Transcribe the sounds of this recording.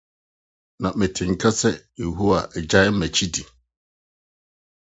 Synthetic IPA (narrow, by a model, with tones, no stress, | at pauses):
nã˨mɛ̃˨tʰɪ̃˨ŋ̩˨kʰa˦sɛ˦je˨ɦu˦wa˨ɛ˨d͡ʑa˦j̩˦mɛ̃˨t͡ɕʰi˦di˨